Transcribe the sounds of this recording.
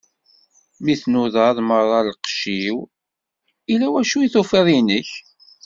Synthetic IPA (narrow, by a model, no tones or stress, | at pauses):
miθnuðɑðˤməɾˤɑlqʃiw | ilæwæʃuiθufiðˤinəç